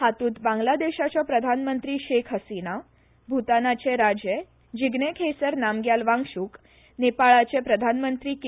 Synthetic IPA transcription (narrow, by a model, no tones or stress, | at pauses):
hat̪uːt̪bãŋɡlad̪eɕat͡ɕjapɾəd̪ʱanmənt̪ɾiːɕekʰɦəsina | bʱut̪anat͡ɕeɾad͡ʑe | d͡ʑiɡnekʰesəɾnamɡjalʋãŋɡɕuk | nepaɭat͡ɕepɾəd̪ʱanmənt̪ɾiːk